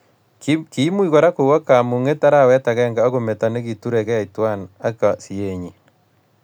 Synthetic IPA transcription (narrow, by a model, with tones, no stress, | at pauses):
ki˨˦mu˦i˦ɣo˨ɾa˦ku˨wa˦ka˨mu˨ŋe˦ta˦ɾa˦˨wɛ˦ta˨ɣɛ˦ŋɡao˦ɣo˨me˨ta˨ne˦ɣi˨tu˦ɾe˨ke˦˨itwa˦na˦ka˨si˨eɲi˨